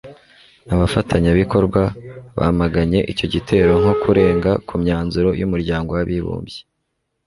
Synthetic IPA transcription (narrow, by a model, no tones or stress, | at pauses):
aβafatʰaɲaβiko̞ɾɡwaβa̰maɡaɲe̞ʔico̞ɟitʰe̞ːɾo̞ŋ̥ho̞kuɾe̞ːŋɡakumɲaːnzuɾo̞jumuɾɟaːŋɡo̞waβiβṵːmbje